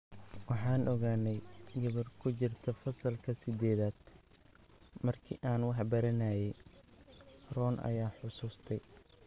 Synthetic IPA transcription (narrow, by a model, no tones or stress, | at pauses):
wɑħɑːnʔɔɣaːnːɛjɡɐβɐrkʰʊt͡ʃɪrt̪ʰɐfɐsɐlkʰɐsɪd̪ɛːðaːd̪̥ | mɐrkʰḭʔaːnwɑħbɐɾɐnajɛj | rɔːnʔɐ̰jaːħʊsuːst̪ʰɛj